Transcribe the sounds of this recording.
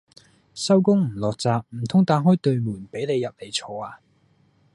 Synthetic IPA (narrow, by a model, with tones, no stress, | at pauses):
sɐ˥wkʊ˥ŋm̩˨˩lɔː˨k̚t͡saː˨˧k̚m̩˨˩t̪ʰʊ˥ŋt̪aː˧˥nɦɔː˥jt̪ɵ˨˧ɥmuː˨˩npe˨˥jne˨˧jɐ˨p̚le˨˩jt͡sʰɔː˨˧aː˧